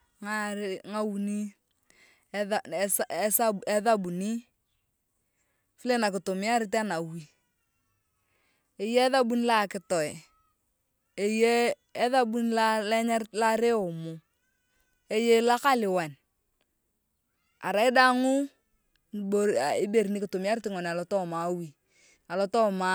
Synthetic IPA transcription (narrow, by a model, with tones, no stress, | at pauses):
ŋa˦ɾŋa˦wu˨ni˦˨ | ssa˦˨ɛ˦ða˦bu˨ni˦ | fi˦le˦na˨kɪ˨to˨mɪ˦a˦ɾɪ˦ta˦na˨wi˨ | e˨je˦ða˦bu˦n˦la˨kɪ˨tɔ˨ɛ˨ | e˨jeː˦ | ða˦bu˦n˦la˦lɛ˦ɲa˦ɾla˦ɾe˦o˨mo˨ | e˦je˦la˦ka˦lɪ˨wa˨n | a̰˨ɾa˨ɪ˦da˦ŋʊ˦˨ | bo˨i˦be˨ɾi˨ni˦kɪ˨to˨mɪ˨a˦ɾɪ˦tɪ˨ŋɔ˨n˨a˨lɔ˨tɔ˦˨ma˨wi˨ | a˨lɔ˨˦tɔ˦ma˦